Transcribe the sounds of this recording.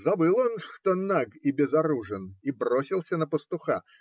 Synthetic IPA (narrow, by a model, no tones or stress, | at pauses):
zɐbɨlˠonʂt̪onaɡibʲɪzɐɾuʐɨnibrosʲilˠsʲənəpəst̪ʊxa̰